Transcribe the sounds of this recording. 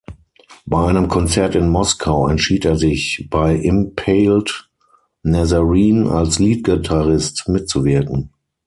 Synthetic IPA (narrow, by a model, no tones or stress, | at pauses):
baɪʔaɪnəmkʰɔnt͡sɛɐtɪnmɔskʰaʊɛntʃiːteːɐzɪçb̥aɪʔɪmpʰɛɪlt | nɛzəʁiːna̰lsliːt̚ɡ̥ɪtʰaʁɪstmɪt̚t͡suvɪɐkŋ̩